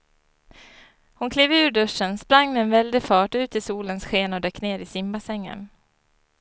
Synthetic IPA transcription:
hʊnkʰleːvʉ̟ːɾɖɵʂənspɾaŋːmɛːnvɛld̪ɪfɑːʈʉ̟ːt̪ɪsuːlənsɧeːnɔd̪ɛkːneːɾɪsɪmbasɛŋːə̰n

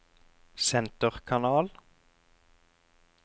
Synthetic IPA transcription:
sɛnt̪əʁkʰɑnɑːl

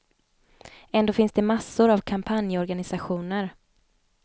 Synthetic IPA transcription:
ɛnd̪oːfɪnsd̪ɛmasːʊɾavkʰampʰanjəɔɾɡanɪsaɧuːnəɾ

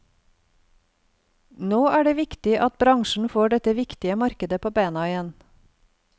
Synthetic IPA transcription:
noːæːɖeːʋɪkt̪ɪʔɑt̪̚bɾɑŋʃɳ̩foːɖɛt̪əʋɪkt̪ɪəmɑɾkəd̪əpʰoːbeːnɑɪjɛn

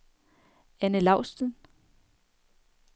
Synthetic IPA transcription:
ænəlɑ̈ʊ̰sd̥ən

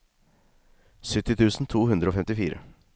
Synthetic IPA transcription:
sʏt̪ːɪt̪ʰʉːsn̩t̪ʰuːhʉnd̪ɾəoːfɛmt̪ɪfiːɾə̰

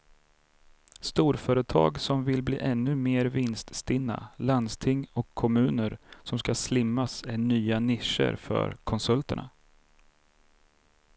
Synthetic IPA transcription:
st̪uːɾfœːɾət̪ʰɑ̰ːɡsɔmvɪlblḭːʔɛnːɵmeːɾvɪnst̪st̪ɪnːa̰land̪st̪ʰɪŋːɔkʰːɔmʉ̟ːnəɾsɔmskaslɪmːasɛnyːanɪʂə̰ɾfœ̰ɾkʰɔnsɵlt̪əɳa̰

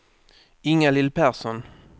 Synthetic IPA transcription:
ɪŋalɪlpæʁsɔn

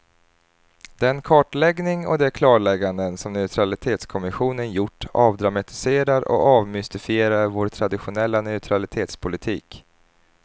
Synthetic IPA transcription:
d̪ɛnkʰɑːʈlɛɡnɪŋɔ̰d̪ɛkʰlɑːɾɭɛɡːand̪ənsɔmnœʉt̪ʰɾalɪt̪ʰeːt̪skʰɔmɪɧuːnənjʊʈːɑːvd̪ɾamat̪ɪ̥seːɾaɾɔ̰ɑːvmʏst̪ɪfɪeːɾaɾvoːɾʈʰɾad̪ɪɧʊnɛlːanœʉt̪ʰɾalɪt̪ʰeːt̪spʰʊlɪt̪ʰiːk

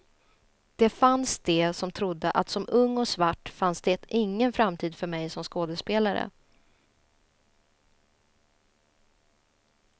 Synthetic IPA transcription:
d̪̥ɛfansd̪̥ɛsɔmt̪ʰɾʊd̪ːəʔat̪sɔmɵŋːɔsvaʈːfansd̪̥ɛʔɪŋːənfɾamt̪ʰiːd̪fœɾmɛjsɔmskoːd̪əspeːlaɾə̰

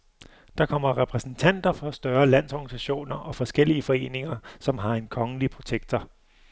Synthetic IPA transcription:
d̥ɑ̈kʰɒ̽m̰ɐʁɛpʰʁɛsn̩t͡sʰæn̰d̥ɐfɒ̽sd̥ɶɐlæn̰sɒɡ̥nisæɕo̝̰ːnɐʔɒ̽fɒ̽sɡ̥el̰iəfɒ̽e̝̰ːne̝ŋɐsɒ̽mɦɑ̈e̝nkʰɒ̽ŋəlipʰʁo̝ɕʰeɡ̥̚d̥ʰɐ

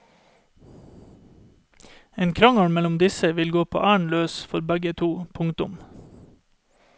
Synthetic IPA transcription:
eːnkʰɾɑŋɑɳmɛlʊmd̪ɪsəʋɪlɡoːpʰo̰ːʔæːɳløːsfɔɾbæɡət̪ʰuːpʰʊŋt̪ʊm

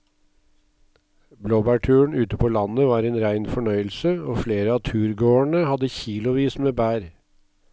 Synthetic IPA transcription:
bloːbæʈʰʉːəɳ̩ʉːt̪əpʰoːlɑnəʋɑːɾeːnɾæɪnfɔɳœʏəlsəoːfleːɾəɑːt̪ʰʉːɾɡoːəɳəhɑd̪əçiːlʊʋiːsmeːbæːɾ

